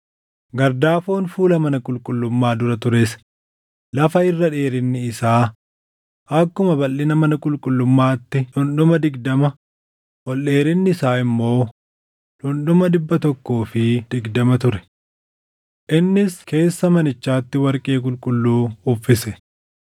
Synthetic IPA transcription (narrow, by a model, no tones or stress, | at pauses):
ɡɐɾd̪aːfo̞ːnfuːlɐmɐnɐkʼʊlkʼʊlːʊmːaːd̪ʊɾɐt̪ʊɾes | lɐfɐɪrːɐᶑe̞ːɾɪnːɪːsaː | ʔɐkːʊmɐbɐlːɪnɐmɐnɐkʼʊlkʼʊlːʊmːaːt̪ːɪᶑʊnɗʊmɐd̪ɪɡd̪ɐmɐ | wɔlɗe̞ːɾɪnːɪɪsaːɪmːo̞ː | ᶑʊnɗʊmɐd̪ɪbːɐt̪ɔkːoːfɪd̪̥ɪɡd̪ɐmɐt̪ʊɾɛ̥ | ʔɪnːɪske̞ːsːɐmɐnɪt͡ʃːaːt̪ːɪwɐɾkʼeːkʼʊlkʼʊlːuːʊfɪsɛ